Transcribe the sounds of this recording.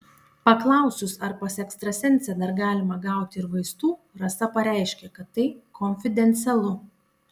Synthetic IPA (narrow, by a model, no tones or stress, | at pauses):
pɐklˠɐˑʊsʲʊsɐɾpɐsɛkst̪ɾɐsʲɛnʲˑsʲɛd̪ɐɾɡɑːlʲɪmɐɡɑˑʊt̪ʲɪɪɾʋɐɪst̪uː | ɾɐsɐpɐɾʲæˑɪʃʲkʲɛkɐt̪ːɐɪkʰoːnʲfʲɪd̪ʲɛnʲt̪sʲɛlˠʊ